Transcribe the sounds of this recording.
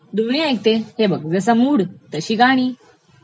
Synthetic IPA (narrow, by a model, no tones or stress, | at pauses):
d̪uɳ̃ijãek̚t̪ehebəkʋesamuːɽt̪əɕiːkaɽ̃iː